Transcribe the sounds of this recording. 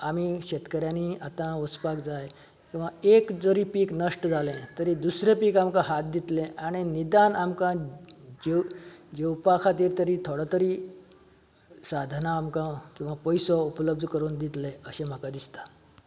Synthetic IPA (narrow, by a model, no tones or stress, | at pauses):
am̤iɕet̪kəɾjaniat̪ãʋəspakd͡zaj | kĩw̃ʋaekd͡zəɾiːpiːknəʂʈəd͡zʱalẽt̪əɾiːd̪usɾepiːkamkãɦat̪̚d̪it̪lẽʔaɽ̃inid̪anamkãd͡ʑed͡ʑewpakʰat̪iɾt̪əɾiːt̪ʰoɽat̪əɾiː | sad̪ʱnaːmkãkĩw̃ʋapəjsɔupləb̚d̪ʱkəɾuːnd̪it̪lẽəɕem̤akãd̪ist̪ḁ